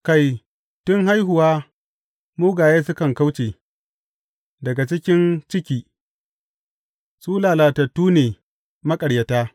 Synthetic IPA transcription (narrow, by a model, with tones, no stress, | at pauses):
ka˦˨j | tʊ˦ŋɦa˦jɦʊ˨waː˦ | muː˦ɡaː˨jeː˦sʊ˦kɐ˨ŋka˦wt͡ʃeː˨ | dɐ˨ɡa˨t͡ʃɪ˦kʲɪ˦nt͡ʃɪ˦kʲiː˨ | suː˦laː˨laː˨tɐ˨tːuː˦neː˨ | mɐ˦kʼɐ˨ɽjɐ˨taː˦